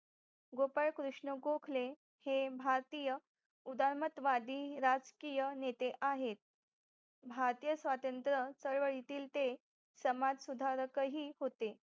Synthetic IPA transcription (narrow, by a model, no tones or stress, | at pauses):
ɡopaɭkɾuʂɳəɡokʰle | hebʱaɾt̪ijə | ud̪aɾmət̪ʋad̪ʱiːɾad͡zkijənet̪eʔaɦet̪̚ | bʱaɾt̪ijəsʋat̪ənt̪ɾət͡səɭʋəɭit̪iːlt̪e | səmad͡zsud̪ʱaɾəkəɦiːɦot̪e